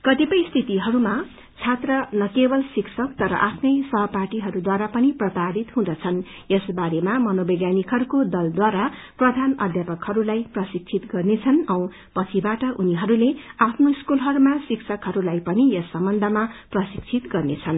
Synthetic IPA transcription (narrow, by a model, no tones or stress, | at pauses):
kʌt̪ipʌjst̪ʰit̪iɦʌɾuma | t͡sʰat̪rʌnʌkebʌlsiksʰʌkt̪ʌɾʌ̰ʔapʰnʌjsʌɦʌparʈiɦʌɾud̪waɾapʌniprʌt̪aɾit̪ɦũd̪ʌt͡sʰʌn | jesbaɾemamʌnobʌɡjanikɦʌɾukod̪ʌld̪waɾaprʌd̪ʱanʌd̪ʱjapʌkhʌɾulajprʌsik̚t͡sʰit̪ɡʌrnet͡sʰʌnʌw̃ | pʌt͡sʰibaʈʌʔuniɦʌɾuleapʰnoiskulɦʌɾumasiksʰʌkɦʌɾulajpʌnijʌsːʌmbʌnd̪ʱʌmaprʌsikt͡sʰit̪ɡʌrnet͡sʰʌn